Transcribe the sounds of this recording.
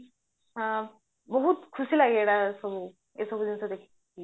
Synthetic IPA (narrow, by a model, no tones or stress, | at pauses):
ɦã | bəɦut̪kʰusiːlaɡeɽasəbʱu | esəbʱud̪int͡səd̪ekʰi̥ːki